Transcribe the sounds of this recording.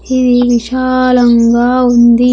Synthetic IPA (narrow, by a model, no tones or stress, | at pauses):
id̪iʋiʃaːlɐŋɡaːund̪i